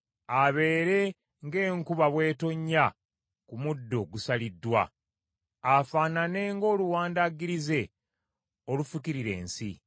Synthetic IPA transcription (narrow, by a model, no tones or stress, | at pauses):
aβe̞ːɾe̞ | ŋɡe̞ːŋkuβaβwe̞ːto̞ɲːa | kumudːo̞ɡusalidːwa̰ː | faːnane̞ŋɡo̞ːluwaːndaɡiɾize̞ | o̞lufukiɾiɾe̞̰ːnsḭ